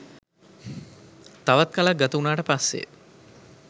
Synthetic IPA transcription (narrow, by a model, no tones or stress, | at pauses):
t̪aʋat̪̚kalak̚ɡat̪əunaːʈəpasːḛ